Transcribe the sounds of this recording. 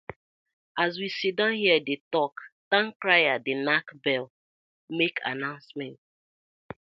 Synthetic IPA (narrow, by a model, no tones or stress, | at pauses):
azwisidɔ̃nhiɛdetɔktãŋkɾajadɪnakbɛl | mekʰa̰nãʊ̃nsmɛ̃n